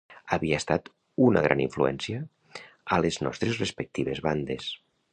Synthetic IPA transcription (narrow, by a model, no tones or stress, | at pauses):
aβiaest̪at̪ | una̰ɣ̞ɾʔa̰niɱfluɛ̰nsiaː | leznɔ̰st̪ɾezrespek̚t̪iβ̞ezβand̪es